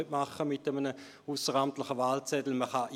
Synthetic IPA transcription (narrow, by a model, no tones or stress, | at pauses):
øtmɑχəmɪtəmənə | usəʁamtlɪχəvaːlt͡sɛdl̩məχɑʔ